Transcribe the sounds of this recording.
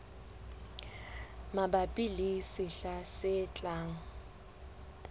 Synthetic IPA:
mabapʼilisiɬasɪt͡ɬʼaːŋ̩

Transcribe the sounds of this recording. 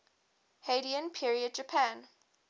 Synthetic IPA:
heɾiə̃npʰiɹiəd̚d͡ʒəpʰãn

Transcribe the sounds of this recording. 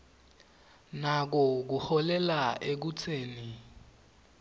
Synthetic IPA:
nak̬ɔk̬uhɔlɛlaek̬ut͡sʰeːni

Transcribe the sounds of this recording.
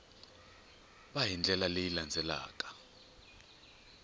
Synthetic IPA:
ɓajind͡ɮʱɛlalejiland͡zʱɛla̰ːkʼḁ

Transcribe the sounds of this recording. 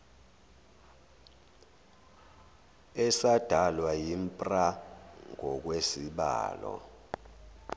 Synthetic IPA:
ɛsad̥ʱalwajimpʼraŋɔk̬wesiɓa̰ːlɔ̰

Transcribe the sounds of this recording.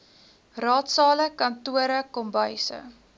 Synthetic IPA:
rɑːtsɑːləkɐntuəɾəkɔmbəjsə̰

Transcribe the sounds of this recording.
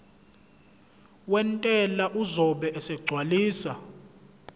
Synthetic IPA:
wɛntʼɛlaʔuzɔɓɛʔɛsɛk̬uɡ͡ǀʱwaliːsa

